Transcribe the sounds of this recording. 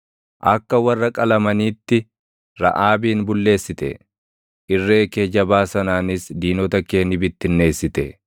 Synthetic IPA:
ʔɐkːɐwɐrːɐkʼɐlɐmɐniːt̪ːɪ | ɾɐ̰ʔaːbiːnbʊlːe̞ːsːɪt̪ɛ̰ | ʔɪrːe̞ːke̞ːd͡ʒɐbaːsɐnaːnɪsd̪iːnɔt̪ɐke̞ːnɪbɪt̪ːɪnːe̞ːsːɪt̪ɛ

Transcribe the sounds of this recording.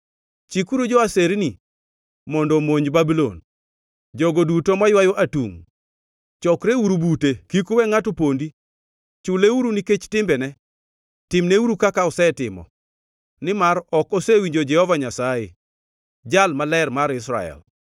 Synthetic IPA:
t͡ʃikuɾud͡ʒɔaseɾni | mɔndɔmoɲbabilɔ̰n | d͡ʒɔɡodutomajwajoʔatṵŋ | t͡ʃɔkɾeuɾubutekikuwɛŋatʊpondi | t͡ʃʊleuɾuniket͡ʃtɪmbɛnɛ | tɪmneuɾukakaʊsɛtɪmɔ̰ | nɪmaɾɔkɔsewiɲd͡ʒod͡ʒɛhɔvaɲasaje | d͡ʒalmalɛrmaɾɪs̬ɾa̰ɛ̰l

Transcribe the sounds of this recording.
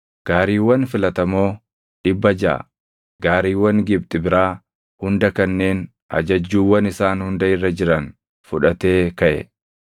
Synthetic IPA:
ɡ̥aːɾiːwːɐnfɪlɐt̪ɐmo̞ː | ᶑɪbːɐd͡ʒɐ̰ʔɐ̰ | ɡaːɾiːwːɐŋɡɪb̚t̪ʼɪbɪɾaː | hʊnd̪ɐkɐnːe̞ːn | ɐ̰d͡ʒɐd͡ʒːuːwːɐnɪsaːnhʊnd̪ɐɪrːɐd͡ʒɪɾɐn | fʊᶑɐt̪e̞ːkɐʔɛ̰

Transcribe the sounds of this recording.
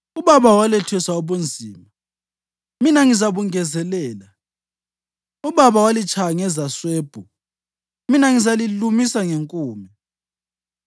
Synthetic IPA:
uβaβawalɛtʰwɛsaoβund͡zʱiːma | minaŋizaβuŋɛzɛlɛːla | uβaβawalit͡ʃʰʼaŋɛzasweːb̥ʱu | minaŋizalilumisaŋeŋkʼuːmi

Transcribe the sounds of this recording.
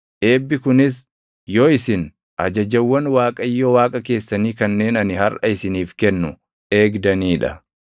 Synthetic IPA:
ʔe̞ːbːɪkʊnɪs | joːɪsɪn | ʔɐd͡ʒɐd͡ʒɐwːɐnwaːkʼɐjːowaːkʼɐke̞ːsːɐniːkɐnːe̞ːnɐnɪhɐrʔɐ̰ɪsɪniːfkɛnːʊ | ʔe̞ːɡd̪ɐniːᶑɐ̰

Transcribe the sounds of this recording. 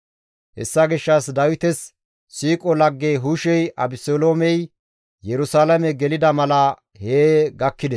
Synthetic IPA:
hɛ̰sːɐɡɪʃːɐsd̪ɐwɪt̪ɛs | siːkʼɔlɐɡːeːɦuʃɛjʔɐbɪsoːloːmɛj | jɛɾʊsaːlɐmɛɡɛlɪd̪ɐmɐlɐ | heːɡɐkːɪd̪ɛs

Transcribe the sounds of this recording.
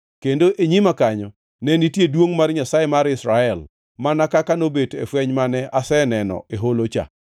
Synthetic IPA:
kendoʔeɲimakaɲɔ | nɛnitjedwoŋmarɲasajemaɾɪsɾaɛl | manakakanobetḛfwɛɲmanɛʔasɛnɛnɔ̰ʔeɦolot͡ʃa̰

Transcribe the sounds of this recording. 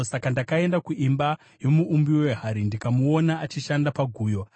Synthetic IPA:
sakandakae̞ndakuʔimba | jo̞muʔːmbiwweɦaɾindikamuonaʔːt͡ʃiʃandapaɡʱuːjo

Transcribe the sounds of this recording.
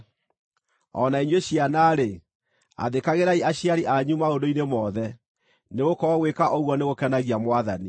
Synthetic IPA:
ɔ̰naiɲweɕianaɾe | a̰ðekaɣeɾaiaɕjaɾiʔaɲumaondoinemɔðɛ | neɣokɔɔɣwekaʔoɣwɔneɣokɛnaɣiamwaðani

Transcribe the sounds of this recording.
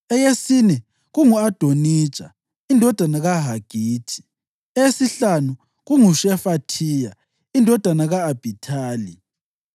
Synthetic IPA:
ɛjesinɛ | ɣuŋuad̥ʱoni̥ːt͡ʃʼa̰ | indʱɔd̥ʱanaɣaɦaɡ̥ʱiːtʰi̥ | ɛesiɬanu | ɣuŋuʃɛfatʰiːja | indʱɔd̥ʱanaɣaːb̥ʱitʰaːli

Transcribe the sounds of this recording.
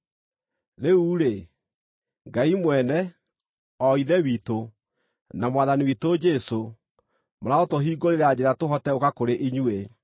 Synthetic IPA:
ɾeuːɾe | ŋɡaimwɛnɛ | ɔiðɛwito | namwaðaniwitod͡ʒɛso | moɾaotoɦiːɡoɾeɾad͡ʑeɾatoɦɔtɛokakoɾeʔiɲue

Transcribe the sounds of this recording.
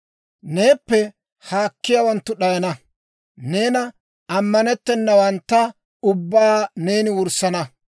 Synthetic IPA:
ne̞ːpːɛ | haːkːɪjawɐnt̪ːʊɗɐjɐnɐ | neːnɐ | ɐmːɐnɛt̪ːɛnːɐwɐnt̪ːɐ | ʊbːaːne̞ːnɪwʊɾsɐnɐ

